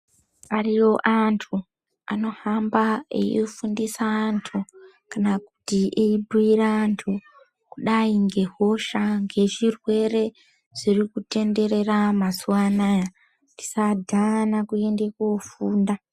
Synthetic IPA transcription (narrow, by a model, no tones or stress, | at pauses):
ariwo̞ʔantʰu | a̰no̞hambaḛifundisaːntʰu | kanaku̥tiʔeibʱuiɾaːntʰu | kuɗaiŋɡe̞ɦo̞ʃaŋɡe̞ʐirwe̞re̞ | ʐ̥irikute̞nde̞ɾe̞ramasuwanaja | di̥sadʱanakue̞nde̞kofuːnda